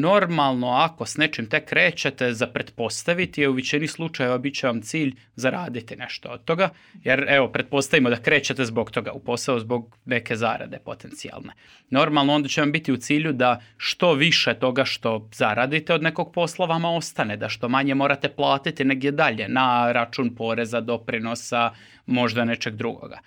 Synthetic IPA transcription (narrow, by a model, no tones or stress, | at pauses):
no̞ɾmalˠno̞ako̞sne̞t͡ʃimt̪e̞kːɾe̞ːt͡ɕet̪ezapɾed̪po̞st̪aʋit̪ieuʋit͡ɕinixslˠut͡ʃajeʋabit̪t͡ɕeʋamt̪siːʎ | zaɾaːd̪it̪ine̞ʃt̪ood̪̥̚t̪o̞ɡa | jeɾeʋo̞pɾed̪t̪̚po̞st̪aʋimod̪akɾe̞ːt͡ɕe̞t̪e̞zboɡt̪o̞ɡa̰upo̞sauzbo̞ɡ | ne̞ke̞za̰ɾa̰d̪e̞̰po̞t̪ent̪sia̰lˠnḛ | no̞ɾmalˠnoo̞nd̪at͡ɕeʋambit̪iut̪siːʎud̪aʃt̪o̞ʋiʃe̞t̪o̞ɡaʃt̪o̞z̥aɾad̪it̪eo̞d̪ne̞ko̞ɡ̚po̞slˠaʋamao̞st̪ane̞d̪aʃt̪o̞maɲe̞mo̞ːɾat̪eplˠaːt̪it̪ine̞ɡd̪jed̪aʎe̞naɾat͡ʃuːnpo̞ɾe̞zad̪o̞pɾino̞sa | mo̞ʒd̪ane̞t͡ʃe̞ɡ̚d̪ɾuɡo̰ɡa̰